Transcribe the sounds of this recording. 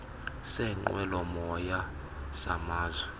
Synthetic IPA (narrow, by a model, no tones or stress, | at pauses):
sɛŋ͡ǃwɛlɔmɔja | sa̰maːzwɛ